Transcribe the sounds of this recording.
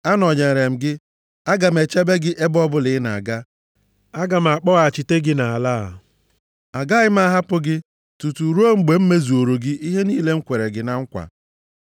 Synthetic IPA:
a˦nɔ˨ɲe˨ɾe˨m̩˨ɡɪ˦ | a˦ɡa˨m̩˨e˨t͡ʃe˦be˦ɡɪ˦ʔe˦bɔ˦bʊ˦lɪ˨˦na˨a˨ɡa˦ | a˦ɡa˨m̩˨a˨k͡pɔ˦ɣa˨t͡ʃi˨te˦ɡɪ˦na˨a˨laː˦˨ | a˨ɡa˦ɣɪ˦m̩˦a˦ɦa˦pʊ˦ɡɪ˦ | tu˨tu˨ɾu˦o˦ŋ͡m̩˨ɡ͡be˨m̩˦me˦zu˨o˨ɾo˨ɡɪ˦ʔi˦ɦe˦niː˦le˦ŋ̩˦kʷe˨ɾe˨ɡɪ˦na˦ŋ̩˦kʷa̰˨

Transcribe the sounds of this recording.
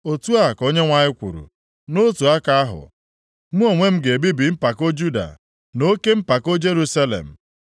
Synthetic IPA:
o˨tu˦a˦˨ko˦ɲe˦ŋʷa˨ɲɪ˦kʷṵ˨ɾṵ˨ | no˦tu˨a˦ka˦a˦ɦʊ̰˨ | m̩˦o˨ŋʷe˦m̩˦ɡe˨bi˦bi˨m̩˦pa˨ko˦d͡ʒu˦da̰˨ | no˦ke˦m̩˦pa˨ko˦d͡ʒe˦ɾu˦sa˦lḛ˨m̩˨

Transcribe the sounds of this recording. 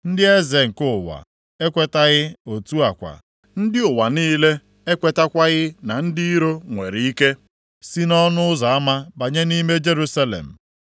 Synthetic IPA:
n̩˦dɪ˦e˦ze˨ŋ̩˨kʊ˦ʊ˨wa̰˨ | e˦kʷe˦ta˦ɣɪ˦o˨tu˦a˨kʷa̰˨ | n̩˦dɪ˦ʊ˨wa˨niː˦le˦ | e˦kʷe˨ta˦kʷa˦ɣɪ˦na˨n̩˦di˦i˦ɾo˦ŋʷe˨ɾi˨i˦ke˦ | si˦nɔ˦nʊ˦ʊ˦za˨a˦ma˦ba˨ɲe˦ni˦me˦d͡ʒe˦ɾu˦sa˦lḛ˨m̩˨

